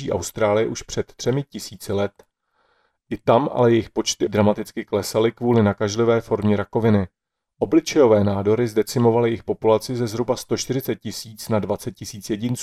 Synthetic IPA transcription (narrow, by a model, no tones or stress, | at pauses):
iːʔa̰wst̪ɾaːlɪjɛʔuʃpr̝̥ɛt̪t̪ːr̝̥ɛmɪcɪsiːt͡sɪlɛt̪ | ʔɪt̪amʔa̰lɛjɛjɪxpo̞t͡ʃt̪ɪdɾamat̪ɪt͡skɪklɛsalɪkvuːlɪnakaʒlɪvɛːfo̞ɾmɲɛɾako̞vɪnɪ | ʔo̞blɪt͡ʃɛjo̞vɛːnaːdo̞ɾɪzdɛt͡sɪmo̞valɪjɪxpo̞pulat͡sɪzɛzɦɾubast̪o̞ʃt̪ɪɾɪt͡sɛt̪̚cɪsiːt͡snadvat͡sɛt̪̚cɪsiːt͡sjɛɟɪnt͡su